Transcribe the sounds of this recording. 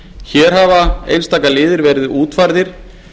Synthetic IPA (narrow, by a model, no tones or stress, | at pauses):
çɛːɾ̥ɦavaḛjnst̪aːkalɪːðɪɾvɛːɾɪððuːt̪faɾðɪɾ̥